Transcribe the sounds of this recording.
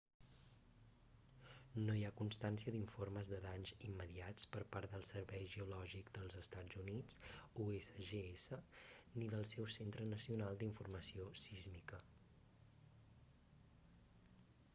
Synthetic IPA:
noiakunst̪ansiəd̪iɱforməzðəðaɲzimːəðiat͡spəɾpaɾt̪d̪əlˠsəɾβɛjʒəulɔʒikd̪əlˠzəst̪ad͡zunit͡suesəʒeesəniðəlˠsɛwsent̪ɾənəsiunalˠd̪iɱfurməsiosizmikə

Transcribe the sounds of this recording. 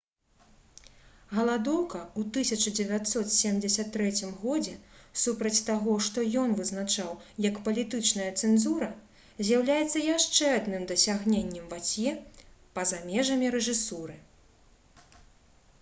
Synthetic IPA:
ɣɐlˠad̪ɔwkɐut̪ɨsʲɐt͡ʂɐd͡zʲɛvʲat̪sɔt̪sʲemd͡zʲɛsʲɐt̪ːɾɛt͡sʲimɣɔd͡zʲɛsupɾɐt͡sʲt̪aɣɔʂt̪ɔjɔnvɨznat͡ʂawjɐkpɐlʲit̪ɨt͡ʂnɐjɐt̪sɛnzuɾɐ | zʲjawlʲajɛt̪sːɐjaʂt͡ʂɛad̪nɨmd̪ɐsʲaɣnʲenʲːɛmvat͡sʲjɛ | pɐzamʲɛʐɐmʲiɾɛʐɨsuɾɨ

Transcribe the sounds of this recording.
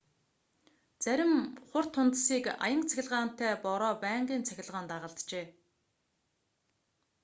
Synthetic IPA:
t͡sæɾʲɪ̆mχʊr̥t̪ʰːʊnt̪siːka̰jə̆ŋt͡sʰæ̥xʲɪ̆ɮʁaːn̥t̪ʰæːpɔɾɔːpæːŋɢiːnt͡sʰæxʲɪ̆ɮʁaːnt̪aːʁə̆ɮt̪t͡ɕeː

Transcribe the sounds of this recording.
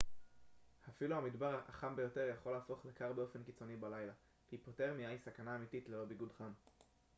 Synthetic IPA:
hafiluhamid̪baʁaχambe̞jo̞te̞ʁjaχo̞laːfo̞χlekaʁbeo̞fe̞nkit͡so̞nibalajla | kipote̞ʁmiajsakanaːmititlelo̞biɡudχam

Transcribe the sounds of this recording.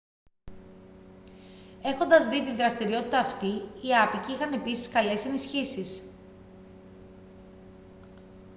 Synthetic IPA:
e̞xo̞nd̪ɐzðit̪inðɾɐst̪iɾio̞t̪i̥t̪ɐːft̪iiɐpiciixɐne̞pisi̥skɐle̞se̞nisçisis

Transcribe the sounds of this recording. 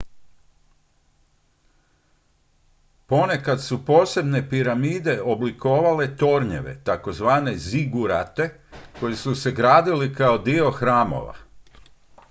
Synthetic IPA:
po̞ne̞kat̪supoːse̞bne̞piɾamiːd̪e̞o̞bliko̞ːʋale̞t̪o̞ɾɲe̞̰ʋe̞̰t̪ako̞zʋaːne̞ziɡuɾa̰t̪e̞ | ko̞jesuse̞ɡɾaːd̪ilikao̞d̪io̞xɾaːmo̞̰ʋa̰

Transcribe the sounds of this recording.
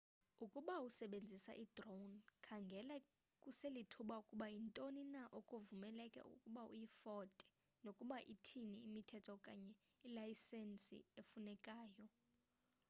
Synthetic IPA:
ukʼuɓausɛɓend͡zʱisa̰ʔidronkʰaŋɡʱɛla | kʼuselitʰuɓaukʼuɓaintʼoninaʔokʼovumɛlɛkʼɛ̰ʔṵkʼuɓaṵjifɔtʼɛ̥ | nokʼuɓaʔitʰiniimitʰɛtʰɔkʼaɲɛ | ilajsɛnsḭefunɛkʼaːjɔ

